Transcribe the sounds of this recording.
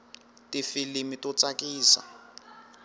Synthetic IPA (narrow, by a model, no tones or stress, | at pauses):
tifilimitʼɔt͡sakʼiːsa̰